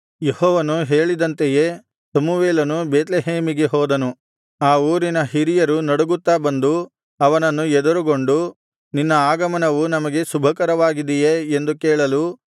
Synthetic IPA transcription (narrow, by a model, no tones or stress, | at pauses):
jehɔːʋɐnuɦe̞ːɭid̪ɐnt̪eje̞ | sɐmuʋeːlɐnubeːt̪leɦeːmiɡe̞ɦɔːd̪ɐnu | aːuːɾinɐɦiɾijɐɾunɐɽuɡut̪ːaːbɐnd̪u | ɐʋɐnɐnːuɛd̪uɾuɡo̞ɳɖu | ninːɐaːɡɐmɐnɐʋunɐmɐɡe̞subʱɐkɐɾɐʋaːɡid̪ijeːnd̪ukeːɭɐlu